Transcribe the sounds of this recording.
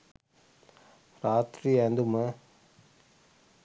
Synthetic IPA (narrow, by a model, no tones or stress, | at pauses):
ɾaːt̪ɾiɐnd̪umɐ